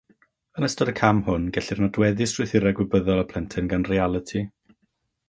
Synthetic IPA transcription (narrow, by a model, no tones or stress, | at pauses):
ənəstɔdəkʰamhʊnɡɛɬɪrnɔdwɛðɪsr̥ʊθɪɾɛɡwɪbəðɔlˠəpʰl̥ˠɛntʰɪnɡanrialˠətʰi